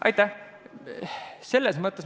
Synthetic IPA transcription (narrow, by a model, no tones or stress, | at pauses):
ʔɑ̰jt̪ːˑæh | se̞lːesmɤt̪ːˑes